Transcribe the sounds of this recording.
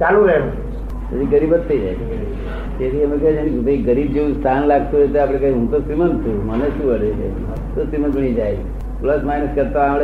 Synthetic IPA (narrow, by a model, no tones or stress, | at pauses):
t͡ʃalũɾeũ | pət͡ʃiɡəɾibət̪ʰːəid͡ʒa̰jt͡ʃʰe | t̪et̪ʰiəmekəd͡ʒenik̪əĩɡəɾib̚d͡ʒeũst̪ʰanlaɡt̪uɦojt̪eapɽ̃ekaĩɦũt̪osɾimənt̪ʰũməneʃũəɾed͡ʒeṵ̃ | t̪osɾimənbəɽ̃id͡ʒaj | pləsmajnəskəɾt̪aamɽe